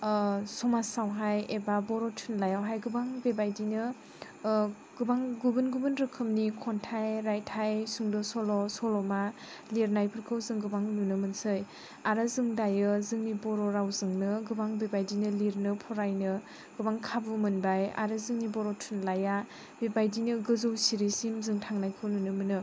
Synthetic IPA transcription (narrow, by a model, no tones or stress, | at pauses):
sɔmasawɦajebabɔɾɔtʰunlajawɦajɡɯbaŋbebajdinɯ | ɡ̥ɯbaŋɡubɯnɡubɯnɾɯkʰɯmnikʰɔntʰajɾajtʰajsuŋdɔsɔlɔsɔlɔma | liɾnajpʰɯɾkʰɯwzɯŋɡɯbaŋnunɯmɯnsɯj | aɾɯzɯŋdajɯzɯŋnibɔɾɔɾawzɯŋnɯɡɯbaŋbebajdinɯliɾnɯpʰɔɾajnɯ | ɡ̥ɯbaŋkʰabumɯnbaja̰ɾɯzɯŋnibɔɾɔtʰunlaja | bebajdinɯɡɯzɯwsiɾisimzɯŋtʰaŋnajkʰɯwnunɯmɯnɯ